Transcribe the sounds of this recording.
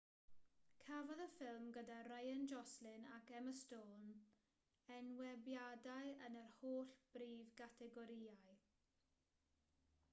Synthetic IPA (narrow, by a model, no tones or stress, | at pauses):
kʰavɔðəfɪlˠmɡədarajənd͡ʒɔslɪnakʰɛməstoːn | ɛnwɛbjadaɨənərhoːɬb̥riːvɡatʰɛɡɔɾiːaj